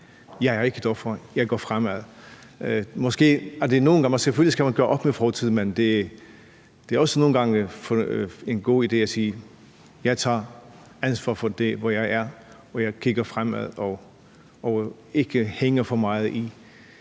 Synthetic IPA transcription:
jɑ̈ɪæɐe̝ɡ̥əd̥ɒfɒjɑ̈ɪɡ̥ɒ̰fʁamæð̰ˠ | mɒ̽sɡ̥e̝̰ːæɐd̥e̝no̝ːnɡɑ̈ŋɒ̽seføliskʰæmænɡ̥ɶːɐʔɒ̽b̥mefɒːt͡sʰið̰ˠmend̥e̝ | d̥e̝æɐɒ̽səno̝ːn̩ɡ̥ɑ̈ŋfe̝nɡ̥o̝̰ːid̥e̝̰ːæsiː | jɑ̈ɪt͡sʰɑ̰̈ː | ænsʋɑ̰ːfɒd̥e̝ʋɒjɑ̈ɪæɐ | ɒjɑ̈ɪkʰiɡ̥ɐfʁamæð̰ˠɒ | ɒ | e̝ɡ̥əheŋɐfɒ̽mɑ̈ːɪð̩ˠi

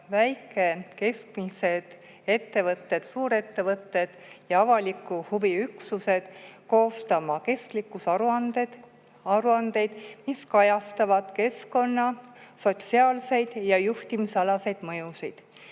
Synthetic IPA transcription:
væjkːˑe̞ke̞skmise̞d̪̥ | e̞t̪ːe̞vɤt̪ːe̞d̪̥suːɾe̞t̪ːe̞vɤt̪ːe̞d̪̥jɑɑvɑlikːˑuhuviyksuse̞d̪̥ko̞ːst̪ɑmɑke̞sklikˑːusɑuɑne | ɑɾuɑnd̪e̞jd̪̥miskɑjɑst̪ɑvɑd̪̥ke̞sko̞nːɑso̞t̪siɑːlse̞jd̪̥jɑjuht̪imisɑlɑse̞jd̪̥mɤjusid̪̥

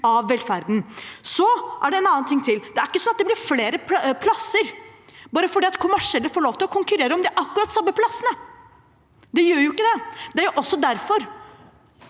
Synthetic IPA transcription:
ɑʋːɛlfæɾd̪n̩sɔʔæɖɛɛnɑːənt̪ʰɪŋt̪ʰɪld̪ɛæɾɪ̥kːəsɔnɑt̪̚d̪ɛb̪ɪɾfleːɾəpʰlɑsːəɾbɑːɾəfɔɖiːɑt̪kʰʊmæʂɛlːəɾfoːɭoːʋt̪ʰɪlɔkʰʊŋkʉɾeːɾəɔmd̪ɪʔɑkːʉɾɑːt̪ːsɑmːəpʰlɑsːənə | d̪ɛjøːɾjʊɪkːəd̪ɛd̪̥ɛæɾjʊʔɔsːɔd̪æɾfɔɾ

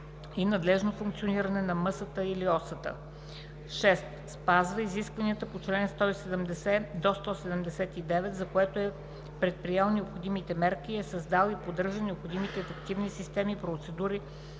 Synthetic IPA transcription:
inɐd̪lɛʒnofuŋk̚t̪sioniɾənɛnɐmɤsət̪əiliɔsət̪ə̰ | ʃɛst̪spazvəiziskvɐniət̪əpot͡ʃlɛnst̪ɔisɛd̪ɛmd̪ɛsɛd̪ost̪ɔsɛd̪ɛmd̪ɛsɛt̪id̪ɛvɛt̪zɐkoɛt̪oɛ | pɾɛt̪̚pɾijɛlˠnɛopxod̪imit̪ɛmɛɾkiɛsɐzd̪alˠipod̪əɾʒənɛopxod̪imit̪ɛːfɛkt̪ivnisist̪ɛmipɾot̪sɛd̪uɾi

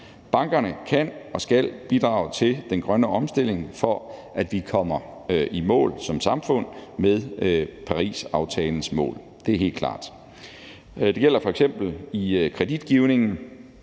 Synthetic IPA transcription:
b̥ɑ̈ŋɡ̥ɐnəkʰænɒ̽sɡ̥æl̰b̥id̥ʁɑ̈ːʊt͡sʰe̝ld̥enɡ̥ʁɶnəɒ̽msd̥e̝l̰e̝ŋfɒ̽ʔæd̥ʋikʰɒ̽m̰ɐʔimɔ̰̽ːlsɒ̽msɑ̈mfɔ̽n̰meðˠpʰɑ̈ʁḭːsɑ̈ʊt͡sʰɛːln̩smɔ̰̽ːl | d̥e̝æɐɦe̝̰ːld̥kʰlɑ̰̈ːd̥ | d̥e̝ɡ̥el̰ɐfɒ̽eɡ̥sem̰b̥l̩ikʰʁɛd̥id̥ɡ̥iʊne̝ŋn̩

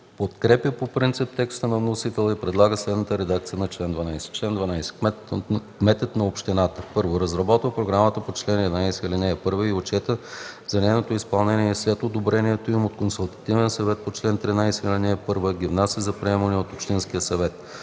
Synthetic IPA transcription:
pot̪kɾɛpjəpopɾint̪sip̚t̪ɛkst̪ənɐvnosit̪ɛlˠəipɾɛd̪lˠaɡəslɛd̪nət̪əɾɛd̪ak̚t̪sijənɐt͡ʃlɛnd̪vɐnajsɛ̥t͡ʃlɛnd̪vɐnajsɛ̥kmɛkmɛt̪ət̪nɐopʃt̪inat̪əpɤɾvoɾɐzɾɐbɔt̪vəpɾoɡɾamət̪əpot͡ʃlɛnɛd̪najsɛilinɛɛpɤɾvəiot͡ʃɛt̪əzɐnɛjnot̪oispɐlˠnɛniɛslɛt̪od̪obɾɛniɛt̪oimot̪konsulˠt̪ɐ̥t̪ivɛnsɐvɛt̪̚pot͡ʃlɛnt̪ɾinajsɛilʲinɛɛpɤɾvəɡʲivnasʲəzɐpɾiɛmənɛot̪opʃt̪inskiəsɐvɛt̪̚

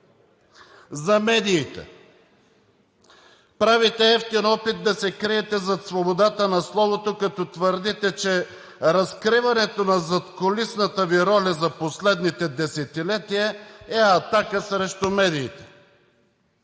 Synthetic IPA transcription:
zɐmɛd̪iːt̪ɛ̰ | pɾavit̪ɛɛft̪inɔpit̪̚d̪ɐsɛkɾiɛt̪ɛzɐt̪svobod̪at̪ənɐslˠɔvot̪okɐt̪ɔt̪vəɾd̪it̪ɛt͡ʃɛ | ɾɐskɾivɐnɛt̪onɐzɐt̪kolisnət̪əviɾɔlʲɐzɐposlɛd̪nit̪ɛd̪ɛsɛt̪ilɛt̪ijəɛɐt̪akəsɾɛʃt̪oʊmɛd̪iːt̪ɛ̥

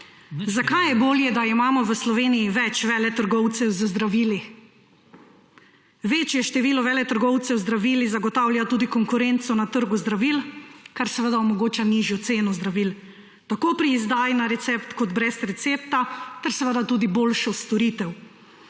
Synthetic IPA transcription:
zakajɛboːljɛd̪aimaːmɔʋəslɔʋeːnijiʋɛt͡ʃʋɛːlɛt̪əɾɡɔwt̪sɛwzəzd̪ɾaʋiːli | ʋeːt͡ʃjɛʃt̪ɛʋiːlɔʋɛːlɛt̪əɾɡɔwt̪sɛwzd̪ɾaʋiːlizaɡɔt̪awljat̪uːd̪ikɔŋkuɾent̪sɔnat̪əɾɡuzd̪ɾaʋilkaɾsɛʋəd̪aɔmɔɡoːt͡ʃaniʒjɔt̪seːnɔzd̪ɾaʋil | t̪akoːpɾiːzd̪aːjnaɾɛt̪sɛpt̪kɔd̪bɾɛsɾɛt̪sep̚t̪at̪ɛɾsɛʋəd̪at̪uːd̪iboːlʃɔst̪ɔɾiːt̪ɛw

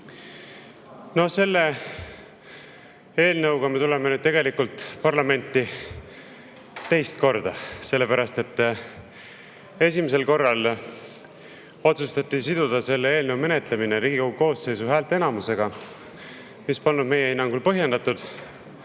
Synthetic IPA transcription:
no̞hse̞lːe̞ | e̞ːlnɤwɡ̥ɑme̞t̪ule̞menyd̪̥̚t̪e̞ɡe̞likult̪ˑpɑrlɑme̞nʲt̪ˑːi | t̪ːe̞jst̪ko̞rd̪̥ɑse̞lːe̞pæɾɑst̪e̞t̪ː | e̞simis̬e̞lko̞rːɑl | o̞t̪sust̪ɑt̪ːˑisid̪̥ud̪̥ɑse̞lːeeːlnəwme̞ne̞t̪lemineɾiːɡ̥ikowɡuko̞ːsːe̞jsuɦæːlt̪ːˑe̞nɑmuse̞ɡ̥ɑ | mispɑnːud̪me̞je̞inːɑŋɡulpɤɦje̞nd̪ɑt̪ˑud̪̥

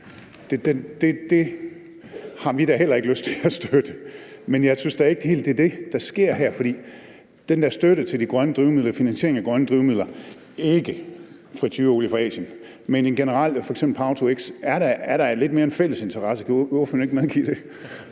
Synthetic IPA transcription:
d̥ed̥ed̥e̝d̥e̝ | hɑ̈ʋiɾæɦel̰ɐe̝ɡ̥əløst͡sʰe̝læsd̥ød̥əmenjɑ̈ɪsynsd̥ææɐe̝ɡ̥ə̥d̥ehe̝ːld̥eæɐd̥e̝d̥ɑ̈sɡ̥e̝ɐ̰ɦæɐ̰fɒ̽d̥ḭː | d̥end̥æɐ̰sd̥øɾ̥ət͡sʰe̝ld̥iɡ̥ʁɶnəd̥ʁiʊmið̰ˠlɐfinænse̝ɐ̰eŋæɡ̥ʁɶnəd̥ʁiʊmið̰ˠlɐ | e̝ɡ̥ə | fʁit͡sʰyːolifɛ̰ːɕən | menenɡ̥e̝nəʁɑ̈l̰fɒ̽eɡ̥semb̥l̩pʰɑ̈ʊt͡sʰoeɡ̥sæɐɾææɐɾ̥ɑle̝d̥me̝ːɐe̝nfel̰əse̝nt͡sʰɐʁɑ̈səkʰæoføne̝ɡ̥əmeðˠɡ̥ḭːɾ̥e̝

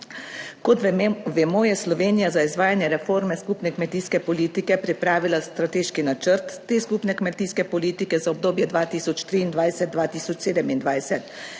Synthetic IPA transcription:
kɔt̪ʋɛmɔjɛslɔʋeːnijazaizʋaːjanjɛɾɛfoːɾmɛskupnɛkmɛt̪iːskɛpɔliːt̪ikɛpɾipɾaːʋilast̪ɾat̪eːʃkinat͡ʃəɾt̪ːeːskupnɛkmɛt̪iːskɛpɔliːt̪ikɛzaɔb̚d̪oːbjɛd̪ʋaːt̪iːsɔt͡ʃt̪ɾiːnd̪ʋajsɛt̪̚ːʋaːt̪iːsɔt͡ʃseːd̪ɛmind̪ʋajsɛt̪

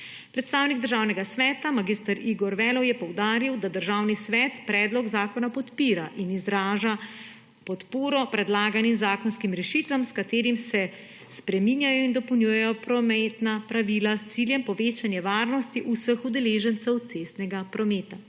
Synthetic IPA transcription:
pɾɛt̪st̪aːwniɡd̪əɾʒawnɛɡasʋɛːt̪amaɡist̪aɾiɡɔɾʋɛːlɔwjɛpɔwd̪aːɾiwd̪ad̪əɾʒaːwnisʋɛːt̪pɾɛːd̪lɔɡzaːkɔnapɔt̪piːɾaʔinizɾaːʒa | pɔt̪poːɾɔpɾɛd̪laːɡanimzaːkɔnskimɾɛʃit̪ʋamskat̪eːɾimsɛ | spɾɛminjajɔind̪ɔpəwnʲjuːjɛjɔpɾɔmɛt̪napɾaʋilast̪siljɛmpɔʋeːt͡ʃanjɛʋaːɾnɔst̪iʔusəxud̪ɛleːʒənt̪sɛwt̪sest̪nɛɡapɾɔmeːt̪a

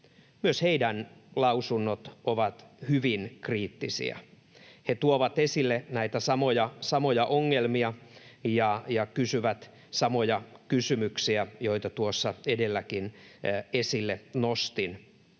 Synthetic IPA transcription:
myøsheidænlɑusunːot̪oʋɑt̪hyʋinkriːt̪ːisḭɑ̰ | het̪uoʋɑt̪esilːenæit̪æsɑmojɑsɑmojɑʔoŋːelmiɑjɑjɑkysyʋæt̪ | sɑmojɑkysymyksiæjoit̪ɑt̪uosːɑedelːækinesilːenost̪in

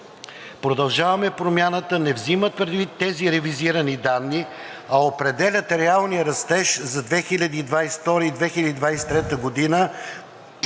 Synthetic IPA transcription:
pɾod̪ɐlˠʒavɐmɛpɾomjanət̪ənɛvzimət̪̚pɾɛd̪vit̪ːɛziɾɛviziɾənid̪anːi | ɐopɾɛd̪ɛlʲət̪ɾɛalˠnijəɾɐst̪ɛʃzɐd̪vɛxilʲɐd̪iːd̪vajsft̪ɔɾəid̪vɛxilʲɐd̪id̪vajsɛ̥t̪ɾɛt̪əɡod̪inə

